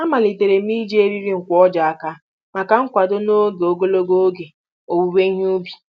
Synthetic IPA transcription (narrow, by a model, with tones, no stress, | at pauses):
a˦ma˨li˨te˨ɾe˨m˦i˦d͡ʒe˦e˦ɾi˦ɾi˦ŋ̩˨kʷɔ˦d͡ʒa˨a˨ka˦ | ma˨ka˨ŋ̩˦kʷa˨do˦no˦ɡe˨o˨ɡo˦lo˦ɡo˦o˦ɡe˨ | o˨wu˨we˦ɦu˦bi˨